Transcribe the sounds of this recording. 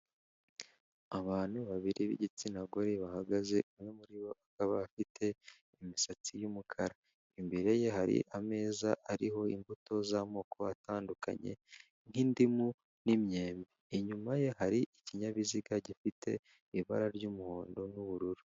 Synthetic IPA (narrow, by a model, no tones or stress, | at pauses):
aβaːn̥uβaβiɾiβḭɟit͡sinaɡo̞ɾeβahaɡaze̞ʔumŋemuɾiβo̞ʔakaβaːfitʰe̞ | imisat͡sijumukʰaɾa | imbiɾe̞je̞haɾḭʔame̞ːzaʔaɾiɦo̞imbuto̞zamo̞ːkʰo̞atʰaːnduka̰ɲe̞̰ | n̥indimu | nimɲe̞ːmbiːɲumaje̞haɾiʔiciɲaβiziɡaɟifitʰe̞̰ | iβaɾaɾɟumuhoːndo̞nuβuɾuɾu